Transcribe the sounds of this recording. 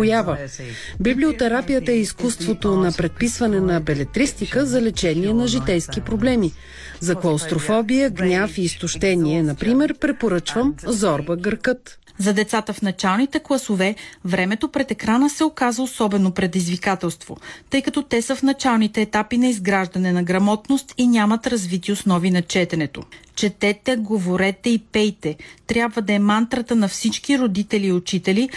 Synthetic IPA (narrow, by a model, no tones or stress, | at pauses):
ʊjavə | bibliot̪ɛɾapijət̪əɛiskust̪vot̪onɐpɾɛt̪̚pisvɐnɛnɐbɛlɛt̪ɾist̪ikəzɐlɛt͡ʃɛniɛnɐʒit̪ɛjsk̟ipɾoblɛmi | zɐklˠɐʊst̪ɾofɔbijəɡnʲafiːst̪ʊʃt̪ɛniɛnɐpɾimɛɾpɾɛpoɾɤt͡ʃvəmzɔɾbəɡəɾkɤt̪ | zɐd̪ɛt̪sat̪əfnɐt͡ʃalˠnit̪ɛklˠɐsovɛvɾɛmɛt̪opɾɛt̪ɛkɾanəsɛokazɐosɔbɛnopɾɛd̪izvikat̪ɛlˠst̪vo̰t̪ɤjkɐt̪ɔt̪ɛsəfnɐt͡ʃalˠnit̪ɛːt̪apinɐizɡɾaʒd̪ɐnɛnɐɡɾɐmɔt̪nost̪inʲamɐt̪ɾɐzvit̪iosnɔvinɐt͡ʃɛt̪ɛnɛt̪o̰t͡ʃɛt̪ɛt̪ɛɡovoɾɛt̪ɛipɛjt̪ɛt̪ɾʲjabvəd̪ɐɛmant̪ɾɐt̪ənɐfsit͡ʃk̟iɾod̪it̪ɛliːot͡ʃit̪ɛli